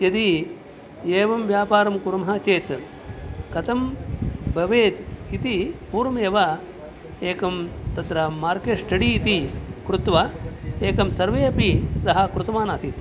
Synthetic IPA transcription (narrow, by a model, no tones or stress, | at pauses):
jɐd̪i | eːʋɐmʋjaːpaːɾɐmkuɾɐmɦaːt͡ʃeːt̪ | kɐt̪ɐmbʱɐʋeːt̪it̪ipuːɾɐmɐjeʋɐ | eːkɐmt̪ɐt̪ɾɐmaːɾkeːʂʈɐɽiːt̪ikɾut̪ʋaeːkɐmsɐɾʋeːɐpisɐɦɐkɾut̪ɐmaːnaːsit̪